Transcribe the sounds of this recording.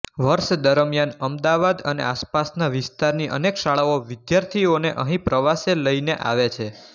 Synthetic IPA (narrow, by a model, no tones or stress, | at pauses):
ʋəɾʃd̪əɾəmjanəmd̪aʋad̪ənḛaspasnaʋɪst̪aɾniʔə̰nekʃaɭaoʋɪd̪jaɾt̪ʰioneʔəɦĩpɾəʋaseləineʔa̰ʋet͡ʃʰe